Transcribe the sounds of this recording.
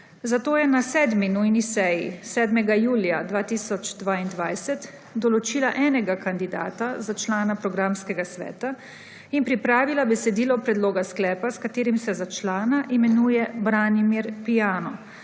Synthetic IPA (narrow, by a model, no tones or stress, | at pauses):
zat̪oːjɛnasɛːd̪minujnisɛjisɛːd̪mɛɡajuːljad̪ʋaːt̪isɔt͡ʃd̪ʋaːind̪ʋajsɛt̪ | d̪ɔlɔt͡ʃiːlaʔɛːnɛɡakand̪id̪a̰ːt̪azat͡ʃlaːnapɾɔɡɾamskɛɡasʋɛ̰ːt̪a | inpɾipɾaːʋilabɛsɛd̪iːlɔpɾɛd̪loːɡasklɛːpaskat̪eːɾimsɛzat͡ʃlaːnaʔimɛnuːjɛbɾaːnimiɾpijaːnɔ